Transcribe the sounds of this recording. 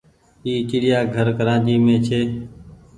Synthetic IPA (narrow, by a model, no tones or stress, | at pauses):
iːt͡ʃɪːɽɪjaːɡʱəɾkəɾãːd͡ʒiːmẽːt͡ʃʰeː